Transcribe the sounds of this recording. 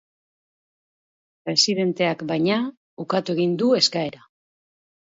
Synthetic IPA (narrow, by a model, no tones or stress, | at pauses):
pɾe̞siðe̞nt̪e̞akbajɲa | ukat̪ue̞ɣind̪ue̞skae̞ɾa